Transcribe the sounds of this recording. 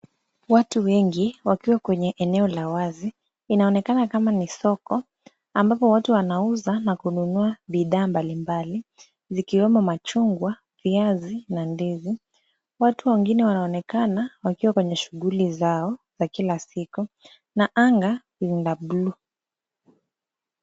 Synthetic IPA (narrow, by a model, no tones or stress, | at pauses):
watuwɛŋɡiwakiwakwɛɲɛʔɛnɛɔlawaziː | naɔnɛkanakamanisɔkɔ | ambapɔwatuwanauzanakununuaɓiðaːmbalimbali | zikiwɛmɔmat͡ʃuŋɡwa | viazinandizi | watuwɛŋɡinɛwanaɔnɛkanawakiwakwɛɲɛʃuɠulizaɔzakilasiku | naʔaŋɡa | inlablu